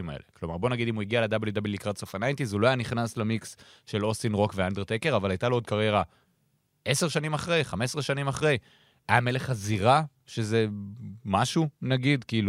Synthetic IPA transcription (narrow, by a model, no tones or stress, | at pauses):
ima̰ḛle̞klomaʁbo̞naɡid̪imuiɡialed̪abeljudablilikʁat̪sofanajntizuloajaniχnaslemiks | ʃe̞lo̞sinʁo̞kveand̪eʁt̪eke̞ʁavalajtalood̪̚kaʁjeʁa | ʔe̞se̞ʁʃanimaχʁe̞jχame̞sʁeʃanimaχʁe̞j | ajame̞le̞χaziʁa | ʃeze̞maʃunaɡid̪kiiːlu